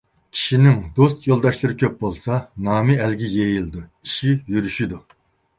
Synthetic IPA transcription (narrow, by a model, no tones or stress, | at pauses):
kʲʰi̥ʃinɪŋd̪ost̪jolˠd̪ɑʃlˠɨɾɪkʲʰøp̚bolˠsɑnɑːmɪælɡʲijejilˠd̪uiʃijyɾyʃid̪u